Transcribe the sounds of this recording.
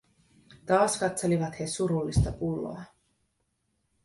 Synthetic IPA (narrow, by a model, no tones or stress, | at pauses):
d̪̥aːsɡat̪sʰɛlivat̪hɛsuɾulisd̪apʼulɔ̰a